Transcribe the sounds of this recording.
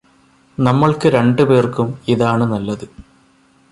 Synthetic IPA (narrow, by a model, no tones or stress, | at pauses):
nɐmːɐɭkɨɾe̞ɳɖɨpeːrkumiðaːɳɨnɐlːɐðɨ